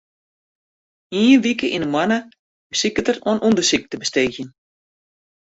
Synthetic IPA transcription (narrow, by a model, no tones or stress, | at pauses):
iːnʋikəʔinəmwanə | b̥əsikətəroənʔundərsik̚təbəsteːxjən